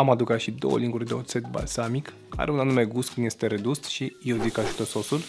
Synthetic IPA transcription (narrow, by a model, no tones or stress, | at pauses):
amad̪ukat̪ʃid̪o̞̰wə̰liŋɡurʲd̪e̞ot̪se̞t̪ba̰lsamik | a̰ɾeunanume̞ɡuskɨnje̞st̪e̞ɾe̞d̪usʃijewzikaʒut̪əso̞sul